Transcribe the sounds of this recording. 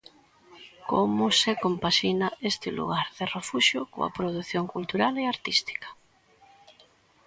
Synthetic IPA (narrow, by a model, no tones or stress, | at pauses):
komʊsekompaʃinaest̪ɪlṵɣaɾðɪrefuʃjʊko̰ɐ̰pɾoðuθjoŋkult̪uɾaleaɾt̪ist̪i̥kɐ̥